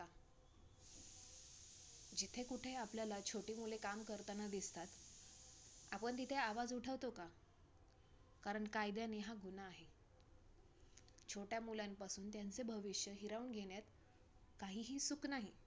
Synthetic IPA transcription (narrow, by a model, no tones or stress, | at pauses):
a | d͡ʑit̪ʰekuʈʰeapljalat͡ɕʰoʈiːmulekamkəɾt̪anad̪ist̪at̪ | a̰pəɳt̪̬it̪ʰeaʋad͡zuʈʰəʋt̪oka | kaɾəɳkajd̪janeɦaɡʱunaːɦe | t͡ɕʰoʈjamuljampasuːnt̪jant͡sebʱəʋiɕjəɦiɾauːɳɡʱeɽjat̪ | kaɦiːɦiːsuknaɦi